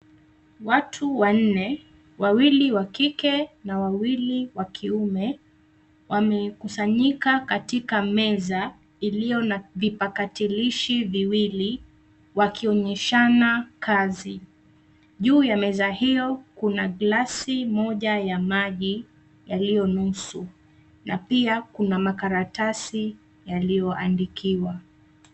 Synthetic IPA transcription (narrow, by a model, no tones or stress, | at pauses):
watʰuwan̩nɛ | wawiliwakikɛnawawiliwakʰiumɛ | wʔamɛkusaɲikakatikamɛza | ilijɔnvipakatiliʃiviwili | wakiɔɲɛʃanakʰazi | ʄuːjamɛzahijɔkunaɡlasimɔʄajamaʄi | jalijɔnusu | napiakunamakaɾatasi | jalijɔʔandikʰiwa